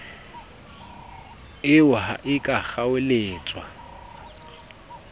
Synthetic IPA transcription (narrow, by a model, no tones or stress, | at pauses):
ɪʊɦa̰ʔɪkʼak͡xaweleːt͡sʼwa